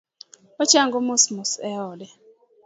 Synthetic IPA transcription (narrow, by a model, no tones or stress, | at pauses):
ɔt͡ʃaŋɡomʊsmusɛɔdɛ